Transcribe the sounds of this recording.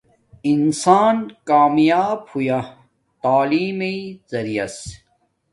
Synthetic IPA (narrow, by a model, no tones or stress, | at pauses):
insaːnkaːmjaːbhuja | t̪aːliːmeizɐɾijɐs